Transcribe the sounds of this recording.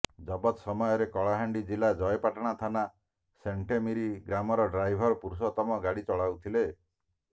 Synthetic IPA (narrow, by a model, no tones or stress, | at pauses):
d͡ʒɔbɔt̪sɔmɔjɔɾekɔɭaɦaɳɖid͡ʒilad͡ʒɔjpaʈɔɽ̃at̪ʰana | seɳʈemiɾiɡɾamɔɾɔɖɾajbʱɔɾɔpuɾus̬ɔt̪ɔmɔɡaɽit͡ʃɔɭawt̪ʰile